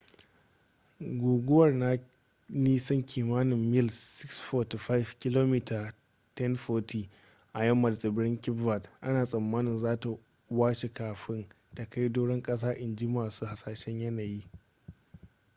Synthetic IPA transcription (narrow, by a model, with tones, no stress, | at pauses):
ɡʷoː˨ɡʷʊ˦wɐ˨rna˦ | niː˦sɐ˦ŋkʲʰiː˨maː˦nɪ˨mːɪ˦˨lsɪ˦ksɸɔː˨ti˨ɸa˦jfkʲɪ˦loː˦miː˦tʰa˨ | tɛ˦nɸoː˦tʰiː˨ | ʔa˨jɐ˦mːɐ˨dsʼɪ˨bɪ˦ɽɪ˦ŋkʲɪ˦bːɐ˨tʔa˦naː˨sʼɐ˨mːaː˦nɪ˨nzaː˦ta˨ | waː˦ʃe˨kaː˨ɸɪ˦n | ta˨ka˦jdoː˦ɽɪ˦ŋkʼɐ˦s̬aː˦ʔɪ˨nd͡ʒiː˦maː˨suː˦ha˨saː˨ʃɛ˦ɲjɐ˦naː˨jiː˦